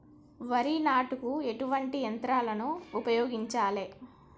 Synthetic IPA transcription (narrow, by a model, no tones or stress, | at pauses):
ʋɐɾinaːʈukue̞ʈuʋɐɳʈiɐnt̪ɾaːlɐnuːpɐjɔːɡiɲt͡ʃaːleː